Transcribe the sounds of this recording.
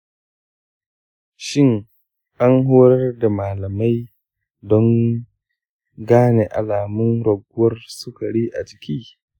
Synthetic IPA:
ʃɪ˦ŋ | ʔa˦nɦoː˦ɾɐ˦rda˨maː˨lɐ˨ma˦j | dɔ˦ŋ | ɡaː˦ne˨ʔa̰˨laː˨mʊ˦nɾɐ˨ɡʊ˦wɐ˦rsʊ˦ka˨ɽiː˦ʔa̰˨t͡ʃɪ̥˨kʰʲiː˦

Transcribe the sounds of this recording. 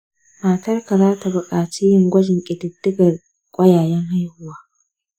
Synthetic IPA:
maː˨tɐ˦rka˨zaː˦ta˨bʊ˨kʼaː˨t͡ʃiː˦jɪ˨ŋɡʷɐ˦d͡ʒɪ˨ŋkʲʼɪ˨dɪ˨dːɪ˦ɡɐ˨r | kʷʼɐ˦jaː˨jɛ˦ŋɦa˦jhʊ˦waː˦

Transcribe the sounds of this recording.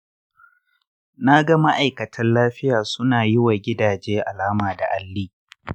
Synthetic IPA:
na˦ɡɐ˦ma˦ʔa˨jkɐ˨tʰɐ˦nlaː˦ɸɪ˦jaː˨sʊ˦naː˨jɪ˦wa˨ɡʲɪ˦daː˨d͡ʒeː˦ʔa˨laː˦maː˨da˨ʔa˨lːiː˦

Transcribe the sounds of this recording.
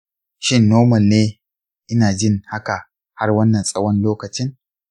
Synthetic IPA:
ʃɪ˦nːoː˦mɐ˨nːeː˦ | ʔɪ˦naː˨d͡ʒɪ˦˨ŋha˦ka˨ | ha˦rwɐ˦nːɐ˨nsʼɐ˦wɐ˦nloː˦kɐ˨t͡ʃɪ˦ŋ

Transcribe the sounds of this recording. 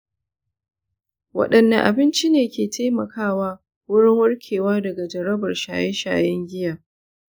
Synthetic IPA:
wɐ̰˦˨ɗɐ˨nːɐ˨ʔa˨bɪ˦nt͡ʃi˦neː˨kʲeː˨tʰa˦jmɐ˨kʰaː˦waː˦ | wʊ˦ɽɪ˦ŋwʊ˦rkʲʰeː˨waː˦dɐ˨ɡa˨d͡ʒɐ˨ɾɐ˦bɐ˨rʃa̰ː˨jɛ˦ʃa̰ː˨jɛ˦ŋɡʲɪ˦jaː˨

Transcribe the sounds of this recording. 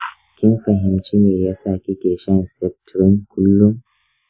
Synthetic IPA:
kʲɪ˦mɸɐ˨ɦɪ˨mt͡ʃiː˦neː˨jaː˦saː˦˨kʲi˦kʲeː˨ʃɐ˦nsɛ˦k̚tɾɪ˦ŋkʰʷʊ˦lːʊ˦ŋ

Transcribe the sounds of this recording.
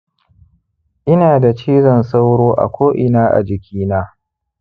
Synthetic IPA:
ʔɪ˦naː˨da˨t͡ʃiː˦zɔ˨nsa˦wɽoː˦ʔa̰˨kʷoː˦ʔɪ˦naː˦ʔa̰˨d͡ʒɪ˨kʲʰiː˦naː˦

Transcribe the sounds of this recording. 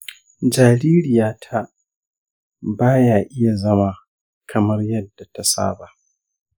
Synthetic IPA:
d͡ʒaː˨ɾiː˦ɾɪ˨jaː˨tʰa˦ | baː˦jaː˨ʔɪ˦ja˨zɐ˦ma˨ | kʰɐ˨mɐ˦rjɐ˦dːa˨ta˨sa̰ː˦ba˨ʔ

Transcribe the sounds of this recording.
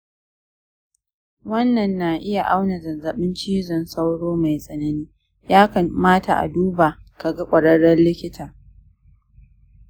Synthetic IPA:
wɐ˦nːɐ˨nːa˨ʔɪ˦ja˨ʔa˦wna˨zɐ˨nzɐ˨ɓɪ˦nt͡ʃiː˦zɔ˨nsa˦wɽoː˦ma˨jsʼɐ˨nɐ˦niː˦ | jaː˦kɐ˨nmaː˦ta˨ʔa̰˨duː˦baː˨ka˨ɡa˦kʷʼɐ˨ɽɐ˦ɽɐ˦nlɪ˦kʲɪ˦tʰaː˨

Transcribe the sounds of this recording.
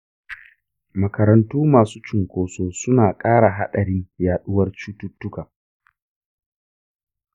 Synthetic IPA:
mɐ˨kɐ˨ɾɐ˨ntuː˦maː˨suː˦t͡ʃɪ˨ŋkʷoː˨soː˦sʊ˦naː˨kʼaː˦ɽa˨ɦa˦ɗɐ˨ɽɪ˦jaː˨ɗʊ˦wɐ˦rt͡ʃuː˦tʊ˦tːʊ˦ka˨

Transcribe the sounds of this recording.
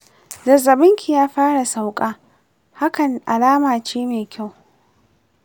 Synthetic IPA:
dɐ˨zɐ˨bɪ˦ŋkʲi˨jaː˦ɸaː˦ɽa˨sa˦˨wkʼaː˦ | ha˦kɐ˨nʔa˨laː˦maː˨t͡ʃeː˦meː˨kʲa˦˨w

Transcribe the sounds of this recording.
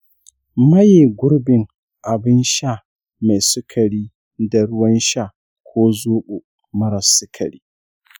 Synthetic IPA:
mɐ˦jeː˨ɡʷʊ˦ɾbɪ˨ŋ | ʔa˨bɪ˦nʃa˦˨ | ma˨jsʊ˦kʰɐ˨ɽiː˦ | da˨ɽʊ˦wɐ˦nʃa˦˨ | kʷʰoː˦zoː˦ɓu˨ | mɐ˦ɾɐ˨sʊ˦kʰɐ̰˨ɽiː˦

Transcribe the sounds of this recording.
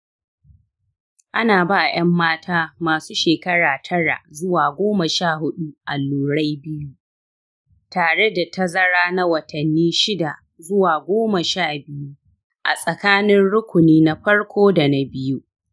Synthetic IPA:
ʔa˦naː˨baː˦˨j̰ɐ˦mːaː˦tʰaː˦maː˨suː˦ʃeː˨kɐ˦ɽaː˨tʰɐ˦ɽa̰˨ʔzʊ˦waː˨ɡʷoː˦mɐ˨ʃaː˦˨hʊ˦ɗu˦ʔa˨lːuː˨ɽa˦jbɪ˦ju˦ | taː˨ɽe˦da˨tɐ˦zɐ˦ɽaː˦na˦wɐ˨tʰɐ˨nːiː˦ʃɪ˦da˨ | zʊ˦waː˨ɡʷoː˦mɐ˨ʃaː˦˨bɪ˦ju˦ | ʔa̰˨sʼɐ˨kaː˦nɪ˦nɽʊ˦kʷʊ˨niː˦na˦ɸɐ˦ɽkʷʰoː˦da˨na˦bɪ˦ju˦

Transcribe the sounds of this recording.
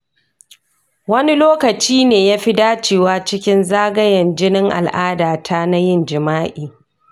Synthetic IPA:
wɐ˦ni˦loː˦kɐ˨t͡ʃiː˦neː˨jaː˦ɸi˦daː˦t͡ʃeː˨waː˦t͡ʃɪ˦kʲɪ˦nzaː˦ɡɐ˦jɐ˨nd͡ʒɪ˦nɪ˦ŋʔa̰˨lʔaː˦daː˨tʰaː˦na˦jɪ˦˨nd͡ʒɪ˨maː˦ʔiː˨

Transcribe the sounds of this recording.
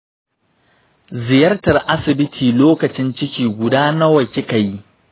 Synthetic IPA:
zɪ˨jɐ˦rtɐ˨rʔa˦sɪ˨bɪ˦tʰiː˨loː˦kɐ˨t͡ʃɪ˦nt͡ʃɪ˦kʲiː˨ɡʷʊ˨daː˦na˦wɐ˨kʲɪ˦ka˨ji˦

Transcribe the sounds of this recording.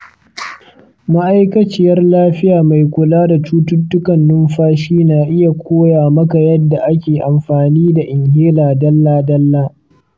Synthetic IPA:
ma˦ʔa˦jkɐ˦t͡ʃɪ˦jɐ˦rlaː˦ɸɪ˦jaː˨ma˨jkʷʊ˨laː˦da˨t͡ʃuː˦tʊ˦tːʊ˦kɐ˨nːʊ˦mɸaː˦ʃiː˦naː˨ʔɪ˦ja˨kʷʰoː˦jaː˨mɐ˦ka˨jɐ˦dːa˨ʔa˦kʲeː˨ʔa˨mɸaː˨niː˦da˨ʔɪ˨ŋɦeː˦laː˨dɐ˦lːaː˦dɐ˦lːaː˦

